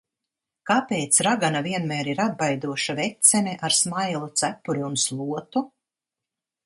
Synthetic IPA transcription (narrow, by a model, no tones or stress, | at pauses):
kapeːt̪sɾaɡanaviɛnmæːɾiɾad̪̚bajd̪uɔʃavɛt̪sɛnɛʔaɾsmajlˠut̪sæpːuɾiunslˠuɔt̪u